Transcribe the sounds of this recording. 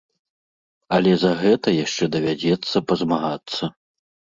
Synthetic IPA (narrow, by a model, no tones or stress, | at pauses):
ɐlʲɛzɐɣɛt̪ɐjaʂt͡ʂɛd̪ɐvʲad͡zʲɛt̪sːɐpɐzmaɣat̪sːɐ